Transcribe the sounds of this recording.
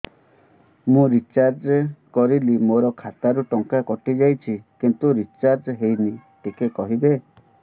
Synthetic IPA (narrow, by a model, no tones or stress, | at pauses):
mũɾit͡ʃaɾd͡ʒkɔɾilimoɾɔkʰat̪aɾuʈɔŋkakɔʈid͡ʒajt͡ʃʰikint̪uɾit͡ʃaɾd͡ʒɦejniʈikekɔɦibe